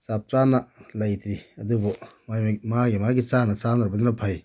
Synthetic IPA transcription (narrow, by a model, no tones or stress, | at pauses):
sap̚t͡ʃanɐlɐjt̪ɾiɐdubɔmajmaɡimaɡit͡ʃanɐsandɾabɐdunɐpʰaj